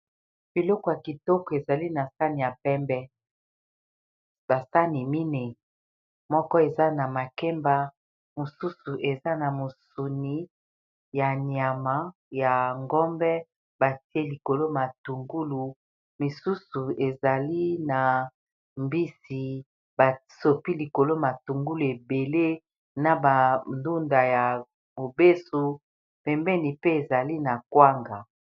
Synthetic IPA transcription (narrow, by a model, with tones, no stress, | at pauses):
b̥i˨lɔ˦kɔ˨ja˨ki˨tɔ˦kɔ˨e˨za˨li˦na˨sa˦ni˨ja˨pɛ˦mbɛ˦ | ba˨sa˦ni˨mi˦ni˨ | mɔ˦kɔ˦e˨za˦na˨ma˨kɛ˦mba˦ | mo˨su˦su˨ʔe˨za˦na˨mo˨su˨ni˨˦ | ja˨nja˨ma˦ | ja˨ŋɡɔ˦mbɛ˦ | ba˨ti˦e˦li˨ko˨lo˦ma˨tu˨ŋɡu˦lu˨ | mi˨su˦su˨e˨za˨li˦na˨ | mbi˦si˨ | ba˨so˨pi˦li˨ko˨lo˦ma˨tu˨ŋɡu˦lu˨e˨be˨le˦ | na˨ba˨ndu˦nda˨ja˨ | mo˨be˦su˨ | pɛ˨mbɛ˦ni˨pe˦e˨za˨li˦na˨kwa˦ŋɡa˨